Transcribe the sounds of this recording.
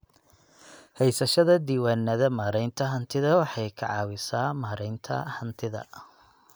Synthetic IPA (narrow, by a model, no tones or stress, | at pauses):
hɛjsɐʃɐðɐd̪iːwaːnːɐðɐmaːɾɛjnt̪ʰɐɦɐnt̪ʰɪðɐwɑħɑjkʰɐ̰ʕɑ̰ːwɪsaːmaːɾɛjnt̪ʰɐ̰hɐnt̪ʰɪðɐ̰